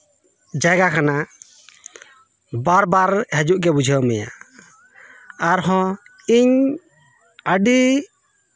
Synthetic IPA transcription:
d͡ʒaɡakʰana | baɾbaɾɦɛd͡ʒuʔɡɛbud͡ʒʱəwmɛja̰ | aɾɦɔ̃ | iɲ | əɖi

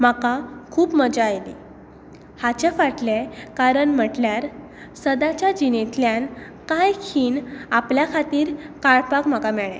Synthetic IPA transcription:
m̤akakʰuːpməd͡ʑajli | hat͡ɕefaʈlekaɾəɳm̤əʈljaɾ | səd̪at͡ɕjad͡ʑinet̪ljan | kajkʰiːnapljakʰat̪iːɾkaɭpakm̤akamɛɭɛ̰̃

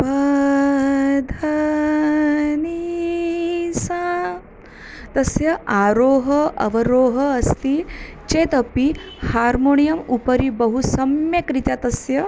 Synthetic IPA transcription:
bɐ | d̪ʱɐ | ni | sa | t̪ɐsjɐaːɾoːɦɐɐ̰ʋɐɾoːɦɐɐst̪it͡ʃeːt̪ɐpi | haːɾmonijɐmupɐɾibɐɦusɐmjɐkɾit̪jat̪ɐsjɐ

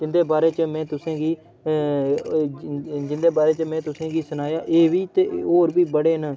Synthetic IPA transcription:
d͡ʒɪnd̪eːbaːɾeːt͡ʃəmɛ̃ːt̪ʊsãːɡiː | d͡ʒɪnd̪eːbaːɾeːt͡ʃəmɛ̃ːt̪ʊsãːɡiːsənaːjaːʔeːʋiːt̪eːɦoːɾbiːbəɽeːn

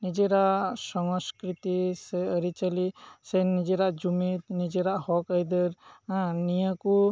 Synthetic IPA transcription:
nid͡ʒeɾaʔsɔŋskɾit̪iseəɾit͡ʃalisenid͡ʒeɾaʔd͡ʒumit̪̚nid͡ʒeɾaʔhɔkəjd̪əɾanijaku

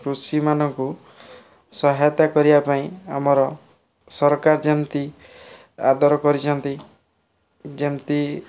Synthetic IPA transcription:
kɾusimanɔŋku | sɔɦajt̪akɔɾibapaĩamɔɾɔ | sɔɾkaɾd͡ʒent̪i | a̰d̪ʱɔɾɔkɔɾit͡ʃʰɔnt̪i | d͡ʒemt̪i

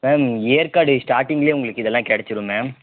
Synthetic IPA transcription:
mɛmeːɾkaːɽɯsʈaːɾʈɪŋɡɪleːʊŋɡɐɭɯkːɪðɛlːãːkɛɽɛt͡ʃːɯɾɯmɛ̃ː

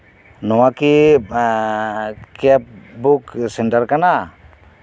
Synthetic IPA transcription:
nɔwaki | kap̚buksɛɳʈaɾkana

